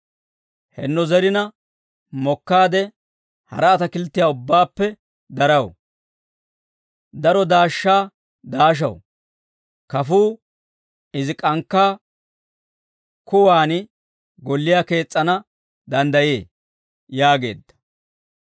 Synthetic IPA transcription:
hɛ̰nːɔzɛɾɪnɐ | mɔkːaːd̪ɛ | hɐ̰ɾɐːt̪ɐkɪlt̪ːɪjaːʊbːaːpːɛ | d̪ɐɾɐw | d̪ɐɾɔd̪aːʃːaː | d̪aːʃ̬ɐ̰w | kɐfuː | ɪzɪkʼɐŋkːaː | kʊwaːnɪ | ɡɔlːɪjake̞ːt͡sʼːɐnɐ | d̪ɐnd̪ɐje̞ː | jaːɡe̞̰ːd̪ːɐ̥

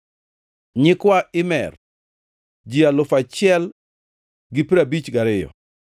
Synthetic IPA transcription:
ɲɪkwaɪmɛ̰r | d͡ʒialʊfat͡ʃɪɛl | ɡɪpɾabit͡ʃɡaɾɪjɔ̰

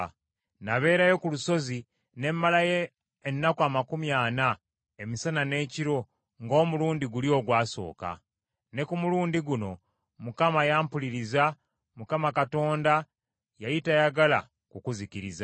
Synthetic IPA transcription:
naβe̞ːɾajo̞kuluso̞zi | ne̞mːalajeː | nːakwamakumjaːna | emisanane̞ːciɾo̞ | ŋɡo̞ːmuluːndiɡuljo̞ːɡwaːso̞̰ːka̰ | ne̞kumuluːndiɡuno̞ | mukamajaːmpuliɾiza | mukamakato̞ːnda | jajitajaɡala̰ | kukuziciɾiza

